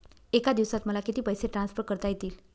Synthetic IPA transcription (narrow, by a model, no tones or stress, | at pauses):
ekad̪iʋsat̪məlakit̪iːpəjseʈɾansfəɾkəɾt̪ajet̪iːl